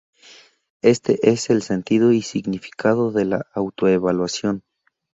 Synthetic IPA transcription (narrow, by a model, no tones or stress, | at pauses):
e̞st̪eʔeselsent̪ið̞oisiɣnifi̥kʰaðoðela̰awt̪oeβalwasjon